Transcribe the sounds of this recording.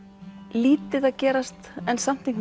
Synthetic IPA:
liːt̪ɪðaðcɛːɾast̪ɛnsam̥t̪iŋk

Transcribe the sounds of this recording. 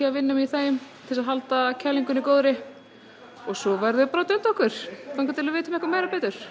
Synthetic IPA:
aavɪnːʏmθaːjʏmt̪ʰɪlsaðɦalt̪acʰɛlːiŋkʏnikoːwðɾɪ | ɔɣsɔvɛɾðʏpɾɔːt̪œnt̪ɔhkvʏɾ̥fawŋkat̪ʰɪlaðvɪːjt̪ʏmɛhkvaɾmeːjɾapɛːt̪ʏɾ̥

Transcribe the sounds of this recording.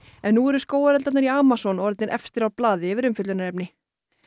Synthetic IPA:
ɛnːuɛɾʏskoːwaɾɛlt̪at̪naɾiaːmasɔnɔɾt̪̚nɪɾʔɛ̰fst̪ɪɾawɾplaːðɪvɪɾʏmfʏt̪lʏnaɾɛpnɪ

